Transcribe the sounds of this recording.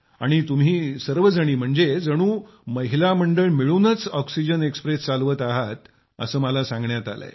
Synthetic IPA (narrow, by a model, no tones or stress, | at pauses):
a̰ɽ̃it̪um̤iːsəɾʋəd͡zəɽ̃iːm̤əɳd͡zed͡zəɽ̃ũː | məɦilaməɳɖəɭmiɭunət͡sɔksid͡ʑənekspɾest͡salʋət̪aɦat̪ | ə̰səːməlasãŋɡɳjat̪alə̰e